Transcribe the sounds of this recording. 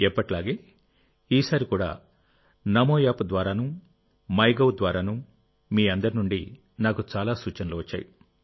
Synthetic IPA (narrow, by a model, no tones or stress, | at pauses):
ɛpːɐʈlaːɡeː | iːsaːɾikuːɽa̰ː | nɐmoːjaːpud̪ʋaːɾaːnuː | mɐjɡɐwd̪ʋaːɾaːnuː | miːɐnd̪ɐɾinuɳɖi | naːkut͡ʃaːlaːsuːt͡ʃɐnɐloːʋɐt͡ʃːa̰ːjḭ